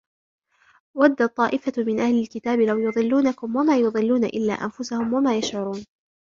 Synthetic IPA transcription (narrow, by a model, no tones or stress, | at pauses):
wad̪ːat̪ˤːɑːʔɪfamɪnʔahlɪlkɪt̪aːbɪlawjʊðˤɨlːuːnakʊmwamaːjʊðˤɨlːuːnaʔɪlːa̰ːʔa̰nfʊsahʊmwamaːjaʃʕʊɾuːn